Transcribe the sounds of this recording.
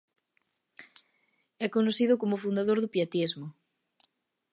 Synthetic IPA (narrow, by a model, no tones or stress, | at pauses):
ɛkonoθiðʊkomʊfund̪aðoɾðʊpiat̪izmʊ